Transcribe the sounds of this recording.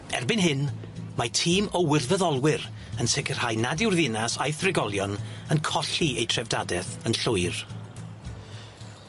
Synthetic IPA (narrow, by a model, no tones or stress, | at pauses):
ɛ̰rbɪnɦɪn | matʰiːmɔwɪrvəðɔlˠwɪɾ | ənsɛkʰər̥ajnadɪwrðɪnasajθrɪɡɔlˠjɔnənkʰɔɬiejtʰrɛvdadɛθənɬʊɨr